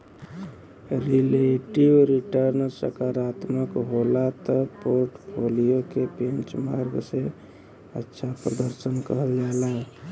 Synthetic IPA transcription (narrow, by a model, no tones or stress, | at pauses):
ɾileʈibɾiʈəɾnsə̰kaɾat̪məkɦolat̪əpoɾʈpʰolijokepẽnt͡ʃmaɾɡse | ətːʃʰapɾəd̪əɾsənkəɦəld͡ʒaelae